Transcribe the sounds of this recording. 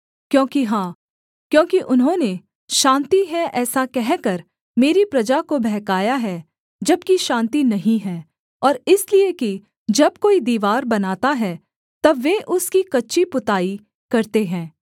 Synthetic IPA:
kjõːkiɦãː | kjõːkiʔʊnɦõne | ʃãːnt̪iɦɛʔɛːsakɛɦkɐɾ | meːɾipɾɐd͡ʒakobɛɦkaːjaɦɛ | d͡ʒɐb̚kiʃãːnt̪inɐɦĩɦɛː | ɔːɾɪslieki | d͡ʒɐb̚koːid̪iːʋaːɾbɐnaːt̪aɦɛ | t̪ɐbʋeʔʊskikɐtːʃipʊt̪aːi | kɐɾt̪eɦɛ̃ː

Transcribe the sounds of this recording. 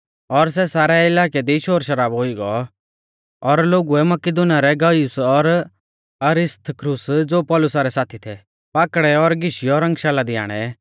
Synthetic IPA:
ɔɾs̬ɛsaːɾɛɪlaːkɛd̪iʃoːɾʃɐɾaːbɦoiɡɔ̰ | ɔɾloːɡuɛmɐkɪd̪ʊnijaɾɛɡɐjʊsɔɾ | ɐɾɪst̪ʰəkɾʊsd͡zoːpɔːlʊsaɾɛsaːt̪ʰit̪ʰɛ | paːkɽɛɔɾɡɪʃiɔɾɐ̃ŋɡʃaːlad̪ɪja̰ːɽ̃ɛ

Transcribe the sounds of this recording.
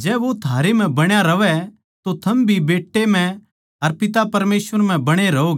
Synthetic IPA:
d͡ʒɛːʋot̪ʰaːɾem̤ɛ̃bɐɽ̃jaɾɐʋɛ | t̪ot̪ʰɐmbʱibeːʈːem̤ɛ̃ | ɐɾpɪt̪̬apɐɾmeːsʋəɾm̤ɛ̃bɐɽ̃eɾɐoːɡ

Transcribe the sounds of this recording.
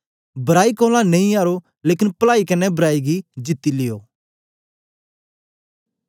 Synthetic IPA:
bɐɾaːikoːlãnɐ̃ĩaːɾo | leːkɪnpəlaːikɐnːɛbɐɾaːiɡid͡ʒɪt̪ːilɪjo̰ː

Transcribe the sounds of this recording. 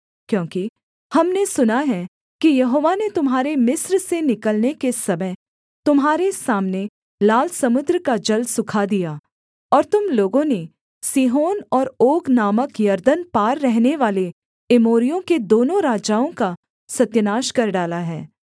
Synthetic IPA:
kjõːki | hɐmnesʊnaɦɛ | kijɐɦoːʋanet̪ʊmɦaːɾemɪsɾsenɪkəlnekesɐməɦ | t̪ʊmɦaːɾesaːmne | laːlsɐmʊd̪ɾkad͡ʒɐlsʊkʰad̪ija | ɔːɾt̪ʊmloːɡõne | siːɦoːnɔːɾoːɡnaːməkjɐɾd̪ənpaːɾːɛɦneʋaːle | ɪmoːɾijõked̪oːnõɾaːd͡ʒaːõka | sɐt̪jənaːʃkɐɾɖaːlaɦɛː

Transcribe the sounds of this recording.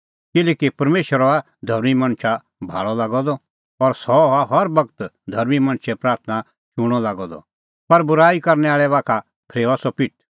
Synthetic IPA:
kɪlɛːkipɐɾmeːʃəɾɔa | d̪ʱɐɾmimɐ̃ñt͡ʃʰa | bʱa̰ːɭɔlaːɡɔd̪ɔ | ɔɾsɔaɦɐɾbɐkət̪d̪ʱɐɾmimɐ̃nt͡ʃʰɛpɾaːɾt̪ʰna | ʃʊɽ̃ɔlaːɡɔd̪ɔ̰ | pɐɾbʊɾaːikɐɾnɛaːɭɛʋaːkʰa | pʰɾeːasɔpɪʈ̚ʰ

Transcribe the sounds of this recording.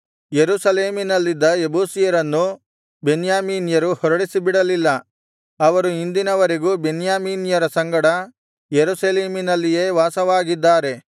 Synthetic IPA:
jeɾusɐleːminɐlːid̪ːɐebuːsijɐɾɐnːu | be̞njaːmiːnjɐɾuhɔɾɐɽisibiɽɐlilːɐ | ɐʋɐɾuind̪inɐʋɐɾeɡubenjaːmiːnjɐɾɐsɐŋɡɐɽɐ | jeɾusɐleːminɐlːije̞ːʋaːsɐʋaːɡid̪ːaːɾe̞

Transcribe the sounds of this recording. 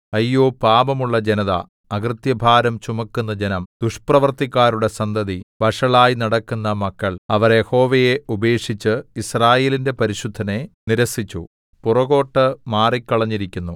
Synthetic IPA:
ɐjːoːpaːbɐmuɭːɐd͡ʑenɐðɐ̰ | ɐɡrt̪jɐbʱaːɾɐmt͡ɕumɐkːunːɐd͡ʑenɐmd̪uʂprɐʋɐrt̪ikːaːɾuɽe̞sɐnd̪ɐðiʋɐʂɐɭaːjnɐɽɐkːunːɐmɐkːɐɭɐʋɐrjeho̞ːʋeje̞ube̞ːkʂit͡ɕːɨisraːje̞ːlinde̞pɐɾiɕud̪ʱːɐne̞niɾɐsit͡ɕːṵ | purɐɣo̞ːʈːɨmaːrikʲːɐɭɐɲːiɾikʲːunːu

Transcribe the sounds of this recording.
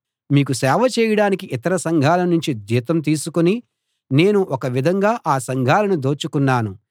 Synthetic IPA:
miːkusɛːʋɐt͡ʃɛːjɐɽaːnikiʔit̪ɐɾɐsɐŋɡʱaːlɐnuɲt͡ʃid̪iːt̪ɐmt̪̬iːsukuni | ne̞ːnuʔɔkɐʋid̪ʱɐŋɡaːʔaːsɐŋɡʱaːlɐnud̪o̞ːt͡ʃukunːaːnu

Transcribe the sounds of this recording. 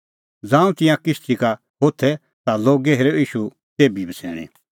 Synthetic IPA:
d͡zãːũt̪ɪ̃jãkɪst̪ʰika | ɦot̪ʰɛ | t̪aloːɡɛɦeːɾoiːʃu | t̪eːbibʱəsɛ̰ːɽ̃ḭ̃

